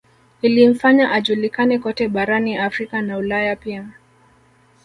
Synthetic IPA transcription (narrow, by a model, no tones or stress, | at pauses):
ilim̩faɲaʔaʄulikanɛkɔtɛɓaɾaniafɾikanaulajapia